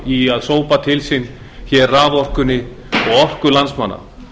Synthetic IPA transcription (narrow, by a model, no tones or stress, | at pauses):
iaðsoːwpat̪ʰɪlsɪn | çɛrraːvɔr̥kʏnːɪ | ɔɣɔr̥kʏlansma̰nːa̰